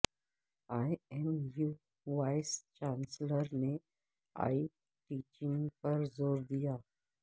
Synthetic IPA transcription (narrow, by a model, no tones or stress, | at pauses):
aːɛnjuː | ʋaːɪst͡ʃãːnsləɾne | a̰ːi | ʈiːt͡ʃɪ̃ŋɡpɐɾzoːɾd̪ijaː